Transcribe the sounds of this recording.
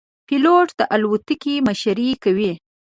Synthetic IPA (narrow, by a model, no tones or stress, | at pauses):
piloʈd̪̥əʔalwʊt̪ikimaʃaɾikawi